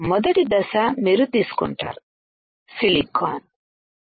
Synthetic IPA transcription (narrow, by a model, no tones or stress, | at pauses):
mɔd̪ɐʈid̪ɐsamiɾut̪isu̥kṵɳʈɐ̰ɾ | silikʰːan